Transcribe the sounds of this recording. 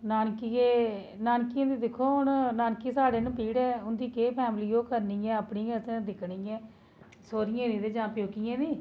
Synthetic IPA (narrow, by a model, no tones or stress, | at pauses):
naːnkieː | naːnkɪjãːd̪iːd̪ɪkʰːoːɦʊnnaːnkiːsaːɽeːnũːpiːɽɛːʊnd̪iːkeːpʰɛːmliːoːkəɾniːɛ̃ːəpɳiːɛ̃ːsẽd̪ɪkʰniːɛ̃ː | soːɾɪjãːd̪ĩːd̪eːd͡ʒãːpjoːkɪjãːd̪iː